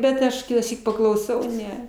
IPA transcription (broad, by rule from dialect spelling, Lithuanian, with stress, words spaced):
bʲɛt ˈɐʃ kʲɪtɑːˈsʲiːk pɐklˠɐʊˈsɐʊ ˈnʲɛ